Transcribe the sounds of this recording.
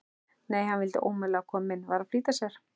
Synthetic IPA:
neːjhanvɪlt̪ɪ̰ʔoːwmɛlɛkʰɔːmmːɪnvaːɾafliːt̪asjɛɾ̥

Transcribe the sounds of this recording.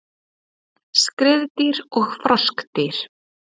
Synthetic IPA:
skɾɪðt̪iɾɔɣfɾɔskt̪ɪɾ̥

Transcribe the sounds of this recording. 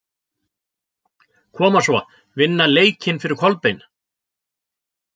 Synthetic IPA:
kʰɔːmasvɔ | vɪnːaleːjcʰɪnfɪɾɪɾ̥kʰɔlpejn

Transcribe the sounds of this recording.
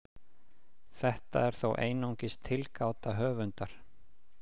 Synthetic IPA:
θɛht̪a̰ɛɾ̥θowʔeːjnawŋcɪst̪ʰɪlkaːwt̪aɦœːvʏnt̪aɾ̥

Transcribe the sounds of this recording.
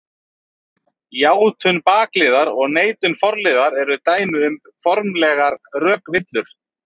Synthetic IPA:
jaːwt̪ʰʏnpaːklɪːðaɾɔɣneːjt̪ʏnfɔɾlɪːðaɾɛɾʏt̪aːjnʏʏm | fɔɾmlɛɣaɾrœːkvɪt̪lʏɾ̥

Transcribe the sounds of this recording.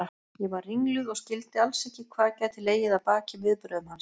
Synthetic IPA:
jɛvaɾriŋlʏðɔɣscɪlt̪ɪalsɛhcɪkʰvaːðcɛt̪ʰɪleːjɪðaðpaːcɪvɪðpɾœðʏmhans

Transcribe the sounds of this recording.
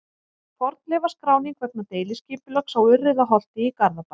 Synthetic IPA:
fɔɾt̪lɛːvaskɾaːwniŋkʰvɛp̚nat̪eːjlɪsciːpʏlœksawʏrːɪðaɦɔl̥t̪ɪːkaɾðapa

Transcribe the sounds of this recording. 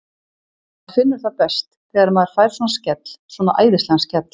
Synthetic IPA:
afɪnːʏɾ̥θaðpɛst̪θɛːɣaɾmaðɪɾ̥fajɾ̥swɔnascɛt̪l̥svɔːnaʔaːjðɪst̪ɛnscɛt̪l

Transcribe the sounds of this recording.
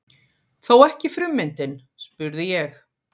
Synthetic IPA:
θowɛhcɪfɾʏmːɪnt̪ɪn | spʏɾðɪjɛx

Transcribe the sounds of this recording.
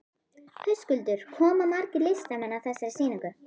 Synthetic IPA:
hœɥskʏlt̪ʏɾ̥hɔːmamaɾcɪlest̪amɛnːaθɛsːaɾɪsiːniŋkʏ

